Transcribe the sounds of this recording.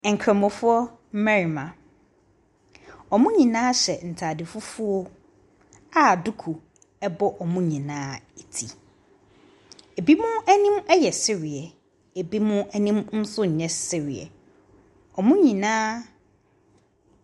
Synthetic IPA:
ɛ˨ŋ̩˨kʰɾɛ̃˨mʊ̃˨fʊ˦ɔ˦ | m̩˦mɛ˦ɾi˨mã˨ | ɔ˨mʊ̃˦ɲĩ˨nãː˦ɕɛ˨n̩˨tʰa˨dɪ˨fu˦fʊ˦ɔ˦ | a˨du˦kʰu˨ | ɛ˦bɔ˦ʔɔ˨mũ˦ɲĩ˨nãː˦e˨tʰi˨ | e˨bi˦mʊ̃˦æ˦nĩ˦mɛ˦jɛ˨sɪ˦ɾɪ˨ɛ˨ | e˨bi˦mʊ̃˦æ˦nĩ˦mn̩˦sʊ˦ɲ̩˨ɲɛ̃˦sɪ˦ɾɪ˨ɛ̰˨ | ɔ˨mũ˦ɲĩ˨nãː˦

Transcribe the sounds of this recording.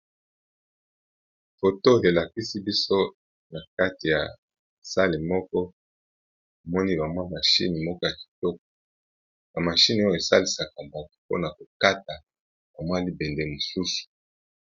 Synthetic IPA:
fo˨to˦˨e˨la˨ki˦si˦bi˦so˦ | na˨ka˦ti˨ja˨ | sa˦li˨mɔ˦kɔ˦ | o˨mɔ˦ni˦ba˨mwa˦ma˨ʃḭ˦ni˨mɔ˦kɔ˦ja˨ki̥˨tɔ˦k̚ɔ̥˨ | ja˨ma˨ʃi˦ni˨o˦jo˨e˨sa˦li˨sa˨ka˨mba˨tu˨po̰˦na˨ko˨ka˦ta˨ | ba˨mwa˦li˦be˨nde˨mo˨su˦su̥˨

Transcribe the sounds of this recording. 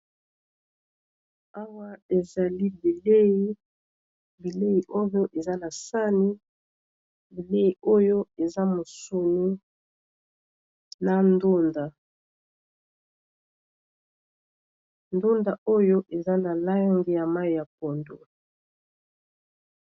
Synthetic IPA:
a˦wa˦e˨za˨li˦bi˨le˦i˦ | bi˨le˦i˨ʔo˦jo˦ʔe˨za˦na˨sa˦ni˦ | bi˨le˦i˨o˦jo˦e˨za˦mo˨su˨nu˦ | na˨ndo˦nda˨ | ndo˦nda˨o˦jo˦ʔe˨za˦na˨la˦a˦ŋɡi˨ja˨ma˦i˨ja˨p̚o˨ndo˨

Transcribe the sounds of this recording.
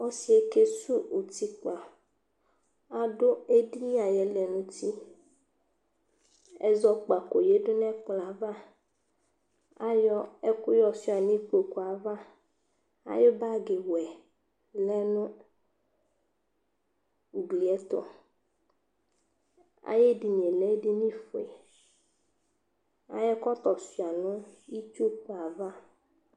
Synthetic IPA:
ɔ˦si˨e˦ke˦su˦u˨t̪i˦k͡pa˨ | a˦ɖo˦e˦ɖi˦ɲĩ˦a˨jɛ˨lɛ˨nũ˦t̪i˦ | ɛ̰˦zɔ˦k͡pa˨ko˨je˦ɖo˦nɛ̃˦k͡pla˨va˦ | a˦jɔ˦ɛ˦ku˦jɔ˦si˦a˨nĩ˦k͡po˨ku˨a˨va˦ | a̰˨je˦ba˦ɡe˨wɛ˨ | lɛ˦nʊ̃˦ | u˨ɡ͡bli˨ɛ˦t̪ɔ̰˨ | a̰˨je˦di˨ɲ˨e˨lɛ˦di˦nĩ˦fo˨ḛ˨ | a̰˨˦jɛ˦kɔ˦t̪ɔ˨si˨a˨nʊ̃˦i˦t͡ʃu˦k͡po˨a˨va˦

